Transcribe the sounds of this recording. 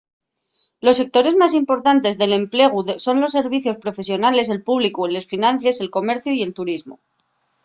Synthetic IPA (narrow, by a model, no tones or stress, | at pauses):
lo̞sːe̞k̚t̪o̞ɾe̞zmas̬impo̞ɾt̪ant̪e̞zðe̞le̞mple̞ɣ̞uðso̞nlo̞sːe̞ɾβ̞iθjo̞spɾo̞fe̞sjo̞nale̞se̞lpuβlikuele̞sfinãnθje̞se̞lko̞me̞ɾθjoie̞lt̪uɾizmo̰